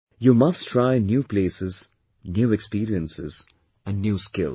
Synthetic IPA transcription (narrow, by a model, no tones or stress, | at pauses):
jumʌsʈʰɾaɪnjuːpleːsɪz | njuːɛkspiːɾiə̃nsɪz | æ̃nɖnjuːskɪ̰l